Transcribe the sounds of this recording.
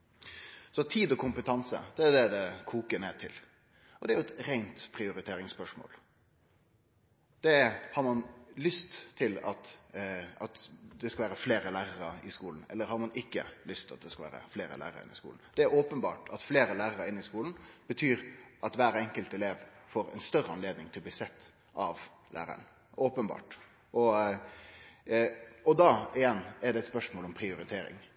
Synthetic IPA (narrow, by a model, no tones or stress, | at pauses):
sɔt̪ʰiːd̪ɔkʰʊmpət̪ʰɑnsə̰d̪̥ɛæd̪ɛd̪ɛkʰuːkəneːt̪ʰɪl | ɔd̪ɛæɾjʊɛt̪ɾæɪnt̪pʰɾɪʊɾɪt̪ʰeːɾɪŋspœʂmo̰ːl | d̪̥ɛhɑɾmɑnlʏst̪ʰːɪlɑ̰t̪ | ɑt̪d̪ɛskɑlʋæːɾəfleːɾəlæːɾəɾəɪskuːln̩ɛ̰lːəɾhɑɾmɑnɪkːə̰lʏst̪ʰɪlɑt̪̚d̪ɛskɑʋæ̰ːɾə̰fleːɾə̰læ̰ːɾə̰ɾəɪ̰nːɪskṵlnd̪̥ɛæɾoːpənbɑ̰ːʈɑt̪fleːɾəlæːɾəɾəɪnːɪskuːln̩b̥ət̪ʰyːɾʔɑt̪ʋæːɾɛŋkəlt̪ɛleːʋfoːɾɛ̰nst̪œɾəɑnleːd̪nɪŋt̪ʰɪlɔbliːsɛt̪ː | ʔɑʋ | lʔæ̰ːɾə̰əɳ | ʔoːpənbɑ̰ːʈ | ʔɔ | ɔd̪ɑːɪjɛnːɛɖ̪ɛɛt̪spœʂmoːlɔmpʰɾɪʊɾɪt̪ʰeːɾɪ̰ŋ